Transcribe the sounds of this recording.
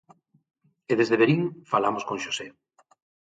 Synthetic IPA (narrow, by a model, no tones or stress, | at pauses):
eðezðeβeɾiŋfalamoskõŋʃose